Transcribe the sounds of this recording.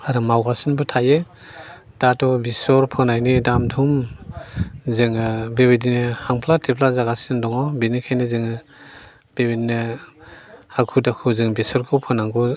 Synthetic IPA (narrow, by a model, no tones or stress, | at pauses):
aɾɯmawɡasinbɯtʰaje | d̥atɔbisɔɾpʰɔnajnidamdʰum | zɯŋɯbebedinɯhaŋpʰlatʰipʰlazaɡasɯndɔŋɔbinikʰajnɯzɯŋɯ | b̥ebedinɯ | hakʰudakʰɯzɯŋbisɔɾkʰɯwpʰɯnaŋɡɔ